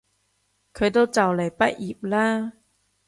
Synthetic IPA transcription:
kʰə˧t̪o˥t͡sa˨˩wle˨˩pa˥ʔʔi˨˩p̚la˦˧˦

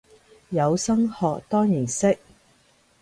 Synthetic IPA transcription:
jɐ˨˧wsɐ˥ŋhɔː˨k̚t̪ɔː˥ŋjiː˨˩nsɪ˥k̚

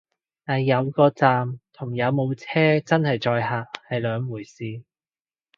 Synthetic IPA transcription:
t̪aː˨˩jjɐ˨˧wkɔː˧t͡saː˨mt̪ʰʊ˨˩ŋjɐ˨˧wmo˨˧wt͡sʰɛː˥t͡sɐ˥nhɐ˨jt͡ʃɔː˧jhaː˨˩hɐ˨jlœː˨˧ŋmuː˨˩jsiː˨˧

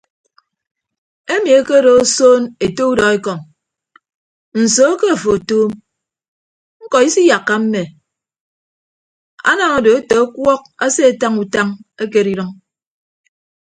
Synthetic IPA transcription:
e˦mi˨e˦ke˦ɾo˨o˦soː˦ne˨to˦u˦dɔ˨e˦kɔ˨ŋ | n̩˨so˨˦ke˦a˨fo˨toː˦m | ŋ̩˦kɔ˨i˦si˦ja˨kːa˦m̩˦me˨ | a̰˦na˨ŋo˨do˨e˦te˨a˦kwɔ˦k̚a˦se˦a˨ta˦ŋu˨ta˦ŋe˦k̬e˨ɾi˦ɾɔ˦ŋ

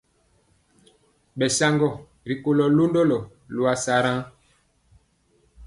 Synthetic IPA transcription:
ɓɛ˨sa˦ŋɡɔ˨ | ɾi˨ko˨lɔ˨lo˦ndo˦lɔ˨ | lu˨a˨sa˨ɾã˦

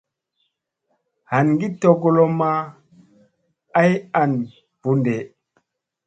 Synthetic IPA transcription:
ha˨nŋɡi˦to˦˨ɡo˦lo˦ma˦ | a˦ja˨n | v̥u˦nde˨

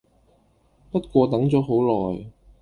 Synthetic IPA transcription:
pɐ˥t̚kʷɔː˧t̪ɐ˨˥ŋt͡sɔː˨˥ɦo˨˥wlɔː˨˩j

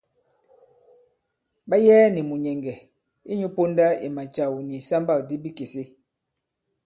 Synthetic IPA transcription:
ba˦jɛː˦ni˨mu˨ɲɛ˨ŋɡɛ˨ | i˦ɲu˦po˦nda˦i˨ma˨t͡ʃa˨wni˨sa˦mba˦˨k̚di˦bi˦ke˨se˦

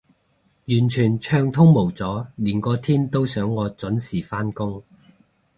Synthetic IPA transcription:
jyː˨˩nt͡ʃʰyː˨˩nt͡ʃʰœː˧ŋt̪ʰʊ˥ŋmo˨˩wt͡sɔː˨˥liː˨˩nkɔː˧t̪ʰiː˥nt̪o˥wsœː˨˥ŋːɔː˨˧t͡sɵ˨˥nsiː˨˩faː˥nkʊ˥ŋ

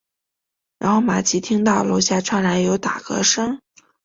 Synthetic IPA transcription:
ɻa̰˧˥nxo˥˩ʊma˨˩t͡ɕʰi˧˥t̪ʰi˥ŋt̪ɑ˥˩ʊlo˧˥ɕja˥˧˩ʈ͡ʂʰwa˥˩nla˧˥ɪjo˧˥ʊt̪a̰˨˩kɤ̰˧˥ʂɤ˥ŋ

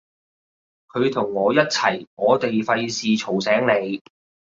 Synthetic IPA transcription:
kʰɵ˨˧ɥt̪ʰʊ˨˩ŋːɔː˨˧jɐ˥t̚t͡sʰɐ˨˩jŋɔː˨˧t̪e˨jfɐ˧jsiː˨t͡ʃʰo˨˩wsɛː˨˥ŋne˨˧j

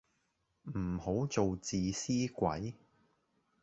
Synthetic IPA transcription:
m̩˨˩ho˨˥wt͡so˨wt͡siː˨siː˥kʷɐ̰˨˥j

